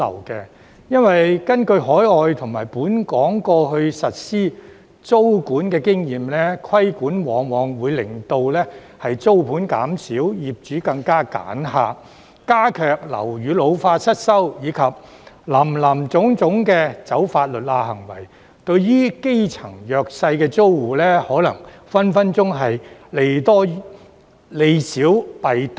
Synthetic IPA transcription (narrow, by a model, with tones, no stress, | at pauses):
ɐ̰˨˩wkɛ˧ | jɐ˥nwɐ˨jkɐ˥nkɵ˧ɥɦɔː˨˥jɔː˨˧jt̪ʰʊ˨˩ŋmaː˨˩jpuː˨˥nkɔː˨˥ŋkɔː˧ɦɵ˧ɥsɐ˨t̚siː˥ | t͡so˥wkuː˨˥nkɛː˧kɪ˥ŋjiː˨mlɛː˥kʰwɐ˥jkuː˨˥nwɔː˨˥ŋwɔː˨˧ŋwuː˨˧jlɪ˨˩ŋt̪o˧wlɛː˥ | hɐ˨jt͡so˥wpʰuː˨˥nkaː˨˥msiː˨˥wjiː˨p̚t͡ʃyː˨˥kɐ˧ŋkaː˥ka̰ː˨˥nɦaː˧ | kaː˥kʰœː˧k̚lɐ̰˨˩wɥyː˨˧lo˨˧wfaː˧t̚sɐ˥t̚sɐ˥wjiː˨˧kʰɐ˨p̚ | lɐː˨˩mlɐ˨˩mt͡sʊ˨˥ŋt͡sʊ˨˥ŋkɛː˧t͡sɐ˨˥wfaː˧t̚lɵ˨t̚laː˧hɐ˨˩ŋwɐ̰˨˩j | t̪ɵ˧ɥjiː˥ke˥jt͡sʰɐ˨˩ŋjœː˨˧k̚sɐ˧jkɛː˧t͡so˥wwuː˨lɛː˥hɔː˨˥lɐ˨˩ŋfɐ˥nfɐ˥nt͡sʊ˥ŋɦɐ˨jle˧jt̪ɔː˥ | le˨˧jsiː˨˥wpɐ˨jt̪